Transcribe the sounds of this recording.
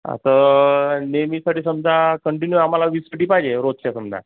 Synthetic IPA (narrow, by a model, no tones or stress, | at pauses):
ə̰sə | nemiːsaʈiːsəmd͡zakəɳʈinjuam̤alaʋisəʈiːpajd͡ʑeɾot̪̚t͡ɕasəmd͡za̰